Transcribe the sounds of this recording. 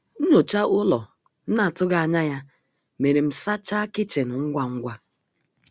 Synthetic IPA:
n̩˦ɲo˨t͡ʃa˦ʊ˦lɔ˨ | n̩˦na˦˨tʊ˦ɡa˨a˨ɲa˦ja˦ | me˨ɾe˨m̩˨sa˦t͡ʃa˦kɪ˦t͡ʃe˨nʊ˨ŋ̩˦ɡʷa˦ŋ̩˦ɡʷa˦

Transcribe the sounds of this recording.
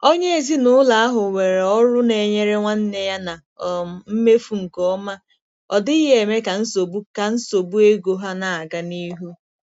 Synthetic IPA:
o˦ɲe˦e˨zi˦nʊ˦la˨a˦ɦʊ˨we˨ɾe˨ɔ˦ɾʊ˦ne˨ɲe˦ɾe˦ŋʷa˦n̩˦ne˦ja˦na˨ | m̩˦me˦fu˨ŋ̩˨kɔ˦ma˦ | ɔ̰˨dɪ˦i˦ɦe˨e˨me˦ka˨n̩˦so˨bu˦ka˨n̩˦so˨bu˦e˦ɡo˨ɦa˦na˨a˨ɡa˦ni˦ɦu˦

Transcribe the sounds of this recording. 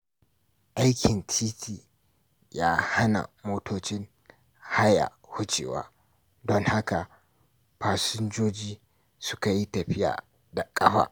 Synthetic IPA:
ʔa˦jkʲʰɪ˨nt͡ʃʰiː˦tʰiː˨ | jaː˦ha˦na̰˨moː˦tʰoː˦t͡ʃɪ˦ŋ | ha˦ja̰˨ | hʊ˦t͡ʃʼḛː˨wa̰ː˦ | dɔ˦ŋha˦ka˨ | ɸaː˨sʊ˦nd͡ʒoː˦d͡ʒiː˦ | sʊ˦ka˨ji˦tɐ˨ɸɪ˦ja̰ː˨ | da˨kʼɐ˦ɸa̰ː˨ʔ

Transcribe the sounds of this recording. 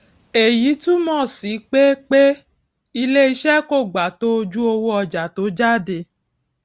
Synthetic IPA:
e˨ji˨˦tũ˦mɔ̃˦˨si˨˦k͡pe˦k͡pe˦ | i˧le˦i˦˧ʃɛ˦ko˦˨ɡ͡ba˨to˦o˧d͡ʒu˦o˧wo˦ɔ˧d͡ʒa˨to˨˦d͡ʒa˦˨de˧

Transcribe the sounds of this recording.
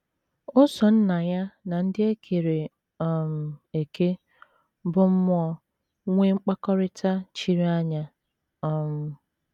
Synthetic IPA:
ʊ˦sɔ˨n̩˦na˨ja˦na˨n̩˦dɪ˦e˦kʰe˨ɾe˨ | m̩˨e˨ke˦ | bʊ˦m̩˦m˦ɔ˦ | ŋʷe˦ŋ͡m̩˦k͡pa˦kɔ˦ɾɪ˦tʰa˦t͡ʃi˦ɾi˦a˦ɲa˦ | ɔ˦m̩˦

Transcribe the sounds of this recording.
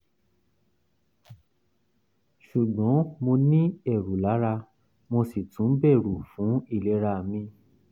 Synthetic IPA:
ʃu˨ɡ͡bɔ̃˨˦mo˧nĩ˦ɛ˦˨ɾu˨la˨˦ɾa˧ | mo˧si˨tʰũ˨˦bɛ˦˨ɾu˨fũ˨˦i˦˨lɛ˨˦ɾa˧˨mĩ˧

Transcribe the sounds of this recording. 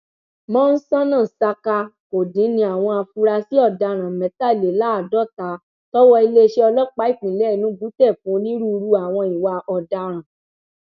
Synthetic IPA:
mɔ̃˦n̩˦sã˦nã˦˨sa˧ka˧ko˨dĩ˨˦nĩ˧a˨w̃ɔ̃˧a˧fu˧˦ɾa˧si˦ɔ˦˨da˧ɾ̃ã˨mɛ̃˨˦ta˦˨le˨la˨˦˨dɔ˦˨ta˨˦ | tɔ˦wɔ˦i˧le˦˧ʃe˦ɔ˧lɔ˦k͡pa˦i˦˨k͡pĩ˨lɛ˦˨nũ˨˦bu˨˦tɛ˦˨fũ˨˦nĩ˦ɾu˦˧ɾu˦a˨w̃ɔ̃˧i˨wa˧ʔɔ˨da˧ɾ̃ã˨

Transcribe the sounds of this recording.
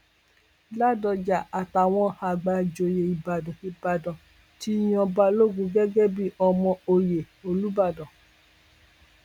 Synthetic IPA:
la˦˨dɔ˧d͡ʒa˨a˨ta˨w̃ɔ̃˦ha˧˨ɡ͡ba˧d͡ʒo˨je˨i˨ba˨dɔ̃˨i˧˨ba˨dɔ̃˨ | ti˦j̃ɔ̃˧ba˧lo˦ɡũ˧˦ɡɛ˦ɡɛ˦bi˦ɔ˧mɔ̃˧o˧je˨ | o˧lu˦ba˦˨dɔ̃˨

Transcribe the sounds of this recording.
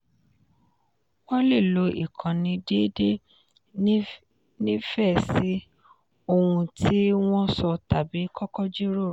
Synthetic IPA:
wɔ̃˦le˦˨lo˨˧˦ḭ˦˨kʰã˨nĩ˧de˦de˦ | nĩ˦fɛ˦˨si˦ | o˧wũ˧ti˦w̃ɔ̃˦sɔ˧ta˨bi˨˦kʰɔ˦kɔ˦d͡ʒi˦ɾo˦˨

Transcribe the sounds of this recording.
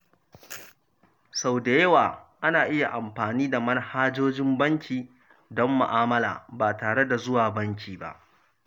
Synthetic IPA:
sa˨wde˨jɐ˦waː˨ʔa˦naː˨ʔɪ˦ja˨ʔa˨mɸaː˨niː˦da˨mɐ˦nhaː˦d͡ʒoː˦d͡ʒɪ˦mbɐ˦ŋkʲiː˨ | dɔ˦mːʊ̰˨ʔaː˦mɐ˦la̰ː˨baː˨taː˨ɽe˦da˨zʊ˦waː˨bɐ˦ŋkʲʰiː˨ba̰˦ʔ

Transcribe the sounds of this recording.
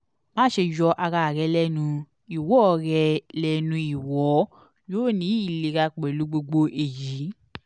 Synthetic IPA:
mãː˦ʃe˧jɔ˧ʔa˧ɾa˧˨ɾɛ˧˦lɛ˦nũ˧ | i˨wɔ˨˦˧ɾɛ˧lɛ˧˨nũ˧i˨wɔ˨˦ | joː˦˨nĩ˨˦i˦˨le˨ɾa˧k͡pɛ˨lu˨˧˦ɡ͡bo˧ɡ͡bo˧ʔe˨ji˨˦

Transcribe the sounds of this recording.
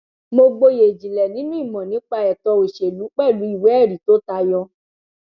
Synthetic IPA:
mo˧ɡ͡bo˧je˨d͡ʒĩ˨lɛ˨nĩ˨˦nĩ˦i˦˨mɔ̃˨nĩ˨˦k͡pa˧ɛ˨tɔ˧o˨ʃe˨lu˨˦k͡pɛ˦˨lũ˨˦i˦˨wɛ˨˦ɛ˦˨ɾi˨˦to˦ta˧jɔ˧

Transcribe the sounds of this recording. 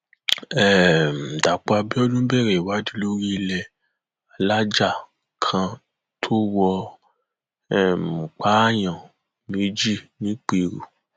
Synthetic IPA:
ɛ˨m̩˨da˨k͡pa˧bi˦ɔ˦lũ˦bɛ˦˨ɾɛ˨wa˨˦di˧˦lo˦ɾi˦i˧lɛ˧ | a˧la˦d͡ʒa˦˨ | kʰã˧ | tʰo˦wɔ˧ | ɛ˨m̩˨k͡pa˦jã˨ | mi˨˦d͡ʒi˦˨nĩ˨˦k͡pe˧˨ɾṵ˨

